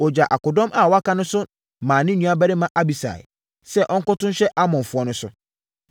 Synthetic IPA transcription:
ɔ˨d͡ʑa˨ʔa˨kʊ˨dɔ̃˦mʔa˨wɔ˦a˦kʰã˦nʊ̃˦sʊ˦ | mãː˨nɪ̃˦nːũ˦a˦bɛ˦ɾɪ˦mã˦ʔa˦bi˨sa̰˨ɪ̰˨ | sɛ˦ʔɔ̃˦ŋ̩˦kʊ˦tʊ̃˦nɕɛ˦ʔa˦mɔ̃˨ɱ˨fʊ˨ɔ˦nʊ̃˦sʊ̰˦

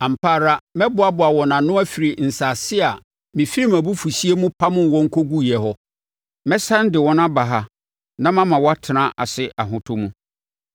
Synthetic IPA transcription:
ã˨m̩˨pʰaː˦˨ɾa˦mɛ̃˦bʊ˦a˨bʊ˨a˨wɔ˨nã˨nʊ̃˦æ˦fi˨ɾi˨n̩˨sa˨sɪ˦a˨ | mĩ˨fi˦ɾi˦mã˨bu˦fu˨si˦e˦mũ˦pʰa˦mʊ̃˦˨wɔ̃˦ŋ̩˦kʰo˦ɡu˦jɛ˨ɦɔ˦ | mɛ̃˦sã˦n˦dɪ˨wɔ˦nã˦ba˨ɦa˦ | nã˦mã˦mã˨wɔ˦a˦tʰɪ˨nã˦ʔa̰˨sɪ˦ʔa˨ɦʊ̃˦tʰʊ˦mũ˦

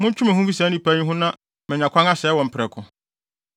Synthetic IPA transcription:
mʊ̃˦ɲ˦t͡ʃʰʊ̃˦mɛ̃˨hʊ̃˦fi˦sã˨˦nĩ˦pʰæ˦ɲĩ˦ɦʊ̃˦nã˦ | mɪ̃˨ɲã˨kʷʰã˦ŋa˦sɛ˨˦wɔ̃˨m̩˨pʰɪ˨ɾɛ˨kʰʊ̃˨

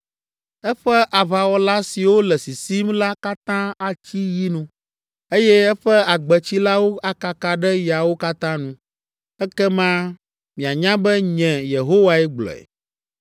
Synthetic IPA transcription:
ɛ˦ɸɛ˦ʔa˨βa˨wɔ˦la˦si˨wo˦lɛ˨si˨si˦mla˦ka˦t̪ã˦a˨t͡ɕi˦ji˦nũ˦ | e˦jɛ˦ɛ˦ɸɛ˦a˨ɡ͡bɛ˨t͡ɕi˦la˦wo˦a˨ka˨ka˨ɖɛ˦ja˨wo˦ka˦t̪ã˦nũ˦ | ɛ˦kɛ˦mã˦ | mĩ˨a˨ɲã˦bɛ˦ɲɛ̃˨je˨ɦo˦wa˦ɛ˦ɡ͡blɔ̰˨ɛ̰˨

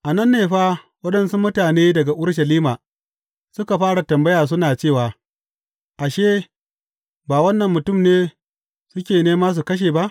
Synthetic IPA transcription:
ʔa˨nɐ˦nːeː˨ɸaː˦ | wɐ˦ɗɐ˦nsu˦mʊ˦taː˨neː˦dɐ˨ɡa˨ʔʊ˦ɽʃ̬ɐ˨liː˦maː˨ | sʊ˦ka˨ɸaː˦ɽa˨tɐ˨mbɐ˦jaː˨s̬ʊ˦naː˨t͡ʃeː˦˨waː˨ | ʔa˨ʃeː˦ | baː˨wɐ˦nːɐ˨mːʊ˨tʊ˦˨mneː˦ | sʊ˦kʲeː˨neː˦maː˦s̬u˨kɐ˦ʃ̬eː˨ba˦ʔ

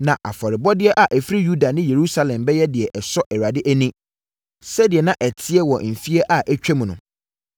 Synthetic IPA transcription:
nã˨ʔa̰˨fɔ˨ɾɪ˨bɔ˦dɪ˦ɛ˦ʔa˨ʔæ˨fɾi˦ju˦da˨nɪ̃˦je˨ɾu˦sa˦lɛ̃˨mbɛ˦jɛ˦dɪ˨ɛ˨ʔɛ˨sɔ˦ʔɛ˨ɾa˨dɪ˦ʔæ˦nĩ˦ | sɛ˦dɪ˨ɛ˨nã˨ʔæ˨tʰɪ˦ɛ˦wɔ˨m̩˨fi˦ɛ˦ʔa˨ʔæ˦t͡ɕᶣɛ˦mũ˨nʊ̃˨

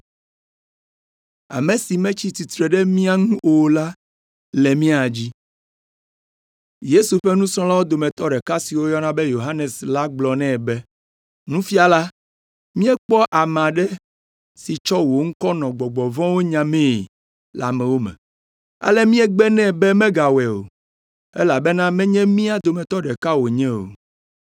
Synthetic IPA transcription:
a̰˨mẽ˨si˨mɛ̃˦t͡ɕi˦t̪i˨t̪ɾɛ˨ɖɛ˦mĩ˦a˦ŋũ˦ʔo˨la˦ | lɛ˨mĩ˦a˨d͡ʑi˦ | je˦su˨ɸɛ˦nũ˦sɔ̃˦la˦wo˦d̪o˨mɛ̃˨t̪ɔ˦ɖɛ˨ka˦si˨wo˦jɔ˦nã˦bɛ˦jo˨ɦa˦ne˨sla˦ɡ͡blɔ˨nɛ̃˦˨bɛ˦ | nũ˦fi˦a˨la˦ | mĩ˦ɛ˦k͡pɔ˦ʔa˨mã˨ɖɛ˦ | si˨t͡ʃɔ˦wo˨ŋ̩˦kɔ˦nɔ̃˨ɡ͡bɔ˨ɡ͡bɔ˨vɔ̃˦wo˦ɲã˨mɛ̃˦˨ | la̰˨mɛ̃˨wo˦mɛ̰̃˨ | a̰˦lɛ˦mĩ˦ɛ˦ɡ͡bɛ˦nɛ̃˦˨bɛ˦mɛ̃˦ɡa˨wɛ˨o̰˨ | ḛ˦la˨bɛ˦nã˦mɛ̃˦ɲɛ̃˦mĩ˦a˨d̪o˨mɛ̃˨t̪ɔ˦ɖɛ˨ka˦wo˨ɲɛ̃˦o̰˨

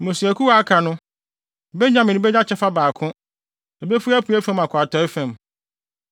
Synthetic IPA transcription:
mʊ̃˨si˨æ˨kʰu˦wa˦a˦kʰa˨nʊ̃˦˨ | bɛ˦ɲã˦mɪ̃˨nɪ̃˦bɛ˦ɲa˦t͡ɕʰɛ˦fa˦baː˨kʰʊ̃˦ | ɛ˨be˦fu˦æ˦pʰu˨˦æ˦fæ̃˦mã˨kʰʊ˨a˨tʰɔ˨˦ɪ˦fæ̃˨m

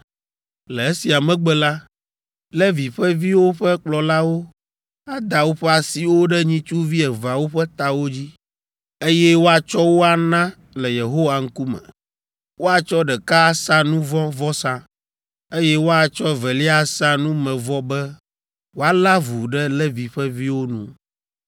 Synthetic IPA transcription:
lɛ˨e˦si˨a˨mɛ̃˦ɡ͡bɛ˦la˦ | lɛ˦vi˨ɸɛ˦vi˦wo˦ɸɛ˦k͡plɔ˨la˦wo˦ | a˦d̪a˨wo˦ɸɛ˦a˨si˨wo˦ɖɛ˦ɲĩ˦t͡ʃu˦vi˦ɛ˨va˨wo˦ɸɛ˦t̪a˨wo˦d͡ʑi˦ | e˦jɛ˦wo˦a˨t͡ʃɔ˦wo˦a˨nã˦ | lɛ˨je˨ɦo˦wa˨ŋ̩˦ku˦mɛ̰̃˨ | wo˦a˨t͡ʃɔ˦ɖɛ˨ka˦sã˦nũ˦vɔ̃˦vɔ˦sã˦ | e˦jɛ˦wo˦a˨t͡ʃɔ˦vɛ˨li˦a˦sã˦nũ˦mɛ̃˨vɔ˦bɛ˦ | wo˦a˦la˦vu˨ɖɛ˦lɛ˦vi˨ɸɛ˦vi˦wo˦nṵ̃˦

